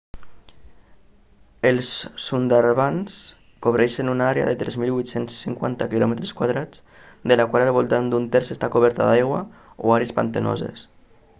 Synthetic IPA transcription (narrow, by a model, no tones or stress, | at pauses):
əlˠsːund̪aɾβans | koβɾɛʃənunaaɾea̰ðət̪ɾɛzmilβujt̪sensːiŋkwa̰nt̪akilɔmət̪ɾeskwaðɾad͡z | d̪əlakwalalβulˠt̪and̪unt̪ɛɾsest̪akuβ̞ɛɾt̪aðajɣwa̰ | oaɾeespa̰nt̪əno̰zḛs